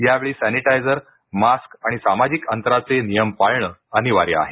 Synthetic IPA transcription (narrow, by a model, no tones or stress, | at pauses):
jaʋeɭiːsæniʈajd͡zəɾ | maskaɽ̃isamad͡ʑikənt̪ɾat͡senijəmpaɭɳəəniʋa̰ɾjə̰a̰ɦe